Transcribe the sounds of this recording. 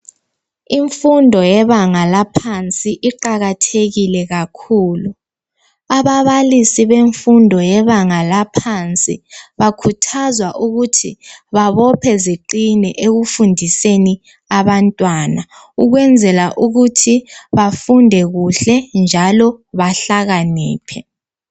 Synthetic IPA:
iɱfundʱɔjɛβaŋalapʰant͡sʼiʔiǃaɣatʰeɣilɛɣakʰuːlu | aβaβalisiβeɱfundʱɔjɛβaŋalapʰant͡sʼḭβakʰutʰazwaʔuɣutʰḭβaβɔpʰɛziǃinɛʔeɣufundʱiseni | aβantʼwana | uɣwɛnd͡zʱɛlaʔuɣutʰiβafundʱɛɣuɬɛnd͡ʒʱalɔβaɬaɣanɛːpʰɛ

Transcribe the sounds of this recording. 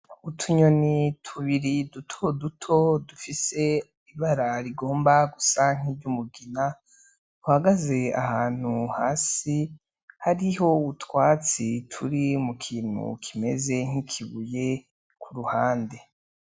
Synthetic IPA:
utʰuɲonitʰuβiɾidutʰodutʰo̞dufise̞ | iβaɾaɾiɡo̞ːmbaɡusaŋ̥ivɟumuɡina | uhaɡaze̞a̰haːn̥huhaːsi | haɾiɦo̞utwaːt͡sitʰuɾimukʰiːn̥hṵkʰime̞ze̞ŋ̥ikʰiβuje̞ | kʰuɾuhaːnde̞

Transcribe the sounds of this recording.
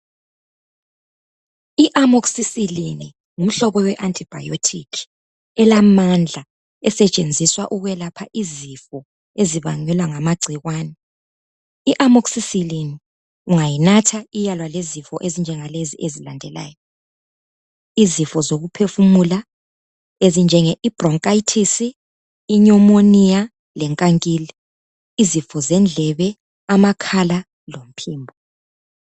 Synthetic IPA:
iʔamoksisilini | ŋum̩ɬɔβɔwɛʔantʼib̥ʱa̰jotʰikʰ | ɛlamand͡ɮʱa | ɛsɛt͡ʃʼend͡zʱiswaʔuɣwɛlapʰa̰ʔizifɔ | eziβa̰ɲɛlwaŋamaɡ͡ǀʱiɣwaːnɛ | iʔamoksisilini | uŋajinatʰaijalwalezifɔʔezind͡ʒʱɛŋaleziʔezilandʱɛla̰ːjɔ | izifɔzoɣupʰefumula | ezind͡ʒʱɛŋɛʔib̥rɔŋkʼajitʰisiː | ɲɔmonija | lɛŋkʼaŋkʼiliː | zifɔzɛnd͡ɮʱɛβɛ | amakʰala | lom̩pʰiːmbʱɔ

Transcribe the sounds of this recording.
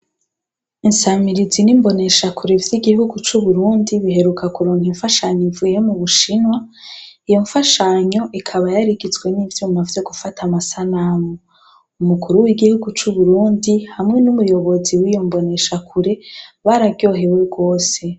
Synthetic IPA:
insamiɾizinimbo̞ne̞ʃakʰuɾe̞vjiɡihuɡut͡ʃuβuɾuːndiβiɦe̞ɾukakuɾoːnhiɱfaʃaɲoiɱvuːje̞muβuʃinwa | ijo̞ɱfaʃaɲo̞ʔikʰaβajaɾiɡizɡwe̞nivjuːmavjo̞ɡufatʰamasanamo | umukʰuɾuwiɡihuɡut͡ʃuβuɾuːndihamŋe̞numujo̞βo̞ziwijo̞mbo̞ne̞ʃakʰuɾe̞βaɾabɟo̞ːɦeweɡo̞ːse̞

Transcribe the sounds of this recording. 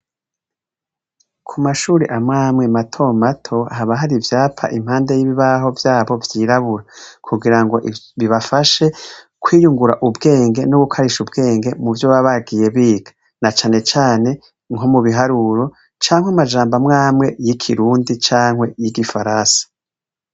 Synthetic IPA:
kʰumaʃuːɾḭʔamŋaːmŋematʰo̞matʰo̞haβaɦaɾivjaːpʰa̰ʔim̥haːnde̞jiβiβaɦo̞vjaːβo̞vjiːɾaβuɾakʰuɡiɾaŋɡo̞ʔiβiβafaʃe̞ | kʰwiːjuŋɡuɾaʔubɡe̞ːŋɡe̞noɡukʰaɾiʃubɡe̞ːŋɡe̞muvjoβaβaɡije̞βiːɡ̥ḁ | nat͡ʃaːne̞t͡ʃaːne̞ | ŋomuβiɦaɾuɾo̞ | t͡ʃaːŋwamad͡ʒaːmbamŋaːmŋe̞jikʰiɾuːndit͡ʃaːŋhwe̞jiɡifaɾaːsḁ

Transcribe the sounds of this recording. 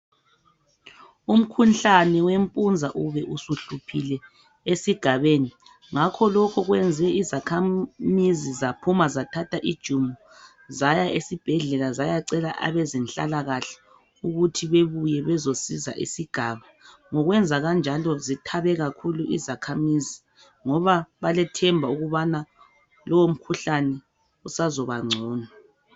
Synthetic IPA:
um̩kʰunɬanɛwempʼund͡zʱaʔuβɛʔusuɬupʰilɛ | esiɡ̥ʱaβeni | ŋakʰɔlɔkʰɔɣwɛnd͡zʱɛizakʰamizizapʰumazatʰatʰaʔid̥ʒ̥ʱumɔ | zajaʔesib̥ʱɛɮɛlazajaǀɛla̰ʔa̰βɛzinɬa̰laɣaɬɛ̥ | uɣutʰiβeβujɛβɛzosiza̰ʔḭsiɡ̥ʱaβaŋɔɣwɛnd͡zʱaɣand͡ʒʱalɔzitʰaβɛɣakʰuluʔizakʰamizi | ŋɔβaβalɛtʰɛmbʱauɣuβana | lɔwom̩kʰuɬanɛ | usazɔβaŋ͡ǀʱɔːna

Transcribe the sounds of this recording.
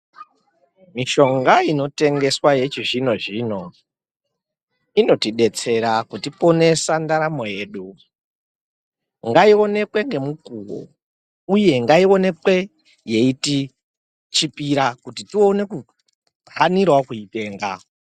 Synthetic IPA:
miʃo̞ŋɡaino̞te̞ŋɡe̞swaje̞t͡ʃiʐino̞ʐino̞ | ino̞tiɗe̞t͡se̞ɾakutipo̞ne̞sandaɾamo̞je̞ːɗu | ŋɡaio̞ne̞kwe̞ŋɡe̞mukuwo̰ | uje̞ŋɡaio̞ne̞kwe̞ | jeiti | t͡ʃipiɾakutitio̞ne̞ku | vanirwakuite̞ːŋɡa

